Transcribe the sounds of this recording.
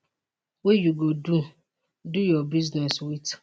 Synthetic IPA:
wejuɡodu | dujɔbiznɛswit

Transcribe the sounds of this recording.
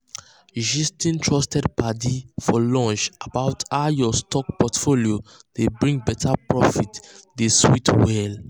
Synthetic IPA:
ʒistĩntʰɹɔstɛd̚padifɔlɔ̃nt͡ʃabaʊtaʊjɔstɔk̚pɔtfoliodebɹĩŋɡ̚bɛtʰapɹɔfitdeswitwɛl

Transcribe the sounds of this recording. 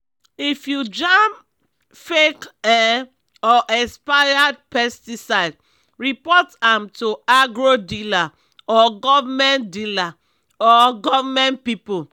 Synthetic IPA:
ifjud͡ʒãm | fekɛ | ɔʔɛspajad̚pɛstisaɪd | ɹipɔtãmtuaɡɹodila | ɔɡɔvamɛ̃ndila | ɔɡɔvamɛ̃npipu

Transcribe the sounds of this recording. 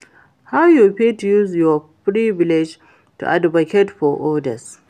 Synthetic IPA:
hawjuɸeːtujuːzjɔpɾibɪlɪd͡ʒ | tṵʔa̰dbɐkʲɛtɸɔʔɔdɐs

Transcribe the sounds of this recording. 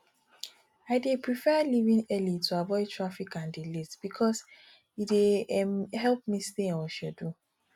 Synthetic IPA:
aɪdepɹifɛlivĩŋɛlituavɔɪtʰɹafikãndilitb̥ikʰɔs | idemhɛlp̚mistẽoʃɛdu

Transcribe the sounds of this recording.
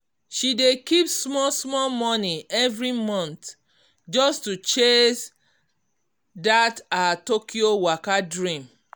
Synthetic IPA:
ʃidekipsmɔsmɔlmɔniɛvɹimɔ̃nt | d͡ʒɔstut͡ʃes | datatokʰiowakadɹĩm

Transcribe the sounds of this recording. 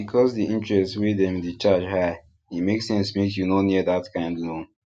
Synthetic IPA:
bikʰɔzdiʔĩntɹɛstswedɛ̃mdit͡ʃad͡ʒhaɪ | imeksɛ̃nsmekjunoniədatkʰãɪ̃ndlõn

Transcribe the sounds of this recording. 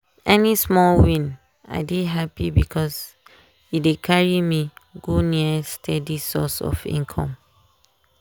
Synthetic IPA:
ɛnismɔlwĩn | a̰ɪdiɦapibikʰɔs | idekʰaɹimiɡoniəstʰɛdisɔ̰sɔ̰fḭ̃ŋkʰɔ̰̃m

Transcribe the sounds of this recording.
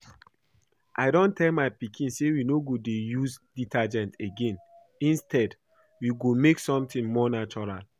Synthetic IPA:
ʔa̰ɪdɔ̃ntɛlmaɪpikʰĩnsewinoɡodejuzditʰad͡ʒɛ̃ntʰeɡẽn | ĩnstʰɛd | wiɡomeksɔ̃mtĩnmɔnat͡ʃɔɹal

